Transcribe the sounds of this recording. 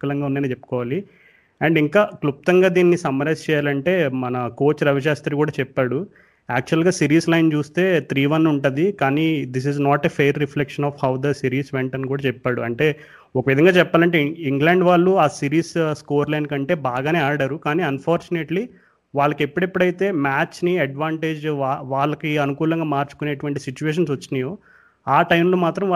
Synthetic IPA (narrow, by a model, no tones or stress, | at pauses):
kɐlɐŋɡaːunːaːneːt͡ʃepːu̥kɔːʋaːli | ɛɳɖiŋkaːklup̚t̪ɐŋɡaːd̪iːnːisɐmːɐɾɐst͡ʃɛːjaːlɐɳʈe̞ːmɐnɐko̞ːt͡ʃɾɐʋiʃ̬aːst̪ɾikuːɽaːt͡ʃɛpːaːɽu | aːk̚t͡ʃuɐlɡaːsiːɾiːslɐjnt͡ʃuːst̪e̞ːt̪ɾiːʋɐnːuɳʈud̪ikaːniːd̪is̬iznaːʈeːpʰeːɾːiflekʂɐnɔːfhɐwd̪ɐsiːɾiːsʋeɳʈɐnkuːɽaːt͡ʃɛpːaːɽṵɐɳʈe̞ː | ɔkɐʋid̪ʱɐŋɡaːt͡ʃɛpːaːlɐɳʈeiŋɡleːɳɖʋaːɭːuaːsiːɾiːsskoːɾlɐjnkɐɳʈe̞ːbaːɡaːne̞ːaːɾɽaɾukaːniːɐnpʰaːɾt͡ʃuneʈli | ʋaːɭːɐkepːuɽepːuɽɐjt̪e̞ːmaːt͡ʃniɐɖʋaːɳʈeːd͡ʒaʋaːɭːɐkiɐnukuːlɐŋɡaːmaːɾt͡ʃu̥kuneːʈuʋɐɳʈisit͡ʃuʋeːʃ̬ɐnsʋɐt͡ʃːinɐjoː | aːʈɐjmloːmaːt̪ɾɐmː